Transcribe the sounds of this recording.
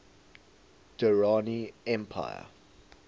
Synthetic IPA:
d̥əɹaniɛ̃mpʰa̰ɪə̰

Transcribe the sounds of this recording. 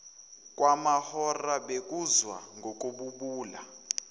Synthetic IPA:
kʼwʔamahɔraɓekʼuzwa̰ŋɡʱok̬ʼuɓuɓuːla̰

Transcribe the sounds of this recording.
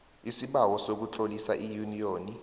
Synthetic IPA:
isiɓawɔsok̬ut͡ɬʼolisaʔijunijoːni

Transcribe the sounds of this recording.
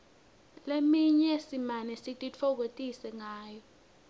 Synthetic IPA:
lemiɲɛsimanɛsitʼit͡fʰɔk̬otʼisɛŋaːjɔ

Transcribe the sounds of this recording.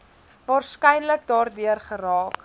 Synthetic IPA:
vɑːrskɛjnlək̚dɑːrdyərχəɾɑːk

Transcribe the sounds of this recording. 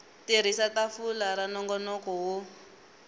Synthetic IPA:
tiɾ̤isatafulaɾanɔŋɡɔnɔkɔɦu

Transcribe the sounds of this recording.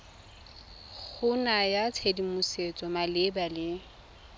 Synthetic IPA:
k͡xʰʊnajat͡sʰedimʊset͡sʼɔmalɪbalɪ

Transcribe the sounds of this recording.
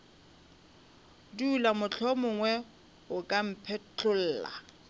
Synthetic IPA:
duːlamʊt͡ɬʰɔmʊŋwɛ | ʊkʼam̩pʰɛt͡ɬʰʼʊl̩ːla̰

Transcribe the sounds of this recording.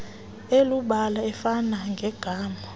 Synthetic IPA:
eluɓalaɛfanaŋɡʱɛɡ̥ʱaːmɔ

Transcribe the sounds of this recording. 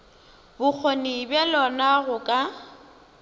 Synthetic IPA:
bʊk͡xʰonibjɛlɔnaɣʊkʼa

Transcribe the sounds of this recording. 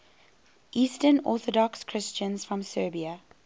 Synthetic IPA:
ʔiːstənɔ̰ˑθɔdɔkskʰɹ̥ɪst͡ʃə̃nz̥fɹɔ̃msɜːbiə

